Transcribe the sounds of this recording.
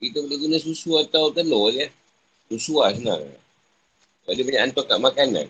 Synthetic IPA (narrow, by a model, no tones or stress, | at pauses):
it̪ubəlekinəsusuat̪aut̪əlod͡ʒə | susuas̬əna̰ŋ | badipuɲaʔant̪ɔkaʔmakana̰n